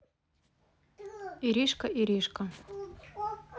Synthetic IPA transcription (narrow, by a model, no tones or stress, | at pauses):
iɾʲiʃkəʔiɾʲiʃka